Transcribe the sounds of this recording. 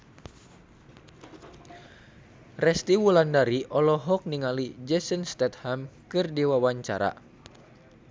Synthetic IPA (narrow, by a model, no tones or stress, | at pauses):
rɛst̪iwulandaɾiʔɔlɔɦɔk̚niŋalid͡ʒɛsənst̪ɛt̪̚hamkɨrdiwawaɲt͡ʃa̰ɾa̰